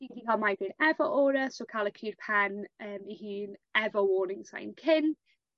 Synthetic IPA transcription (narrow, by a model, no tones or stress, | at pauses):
iːndikʰalˠmajvɪnɛvɔʔoːɾəsoːkʰaːlˠəkʰiːrpʰanəːmihiːnɛvɔwoːnɪŋsa̰jnkʰɪn